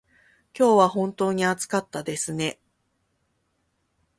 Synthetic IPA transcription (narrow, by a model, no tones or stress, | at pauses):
kʲo̞ːβaɦõ̞nt̪o̞ːɲ̟iat͡sɨ̥kat̪ːad̪e̞sɨne̞